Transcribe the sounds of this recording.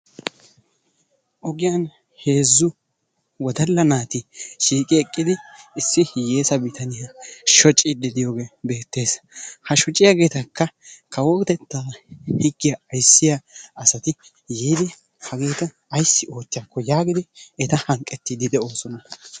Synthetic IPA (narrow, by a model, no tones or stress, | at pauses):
ʔɔɡɪjɐn | he̞ːzːʊ | wɔd̪ɐlːɐnaːt̪ɪʃiːkʼɪɛkʼːɪd̪ɪɪsːɪjeːsɐbɪt̪ʰɐnɪjɐʃɔt͡ʃʼːɪd̪ɛd̪ɪjoːɡe̞be̞ːt̪ːe̞ːs | hɐʃɔt͡ʃʼɪjaɡe̞ːt̪ɐkːɐkʰɐwɔt̪ɛt̪ːaːhɪɡːɪjɐːjsːɪjaɐsɐt̪ɪ | jeːd̪ɪ | hɐɡe̞ːt̪ɐːjsːɪo̞ːt̪ːɪjɐkːɔjaːɡɪd̪ɪɛt̪ɐhɐŋkʼːɛt̪ːɪd̪ɪd̪ɛo̞ːsɔnɐ